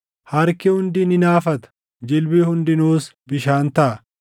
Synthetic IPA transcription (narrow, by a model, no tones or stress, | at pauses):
hɐɾkɪhʊnd̪ɪnɪnaːfɐt̪ɐ̥ | d͡ʒɪlbɪhʊnd̪ɪnuːsbɪʃaːnt̪ɐʔɐ